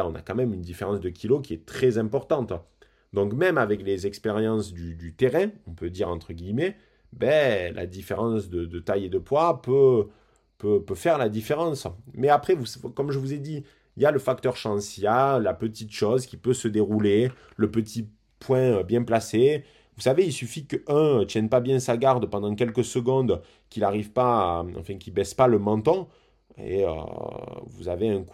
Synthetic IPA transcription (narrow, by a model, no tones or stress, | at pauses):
ɔ̃na̰kɑ̃mɛmynd̪ifeʁɑ̃sd̪əkʲʰilok̬ʲiɛt̪χɛzɛ̃pɔʁt̪ɑ̃t̪ | d̪ɔ̃kmɛmavɛklezɛkspeʁjɑ̃sd̪yd̪yt̪eʁɛ̃ɔ̃pød̪iʁɑ̃t̪χəɡʲimɛ | bɛlʔa̰d̪ifeʁɑ̃sd̪əd̪ət̪ajed̪əpwapø | pøpøfɛʁlad̪ifeʁɑ̃smɛapχɛvuskɔmʒəvuzed̪i | iljaləfak̚t̪œʁʃɑ̃sijalapət̪it̪ʃɔzkʲi̥pøsəd̪eʁule | ləpət̪ʰi | pwɛ̃øbjɛ̃plase | vusaveilsyfikəɛ̃t̪jɛnpabjɛ̃saɡaʁd̪pɑ̃d̪ɑ̃k̬ʲɛlkəsəɡɔ̃d̪ | kʲilaʁivpaɑ̰̃fɛ̃kʲibɛspaləmɑ̃t̪ɔ̃ | ḛø̰vuzaveɛ̃k